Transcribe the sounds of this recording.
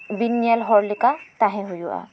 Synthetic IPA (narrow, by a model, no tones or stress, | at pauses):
binjɐlɦɔɾlikat̪aɦẽɦujua̰